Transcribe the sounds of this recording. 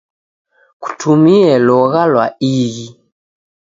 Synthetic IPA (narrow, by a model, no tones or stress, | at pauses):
ku̥tʰumiɛlɔɣalwaiɣi